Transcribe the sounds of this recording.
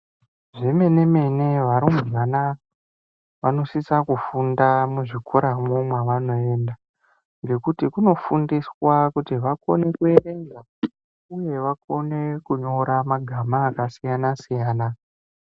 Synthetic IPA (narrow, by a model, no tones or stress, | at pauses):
ʐeme̞ne̞me̞ne̞ʋaɾumiʋanaka | ʋano̞sisakufundamuʐikʰoɾamumweʋano̞e̞ːnda | ŋɡe̞kutikuno̞fundiswakutiʋako̞̰ne̞kue̞re̞ŋɡa | uje̞ʋako̞ne̞kuɲo̞ɾamaɡʱamaːkasijanasijaːna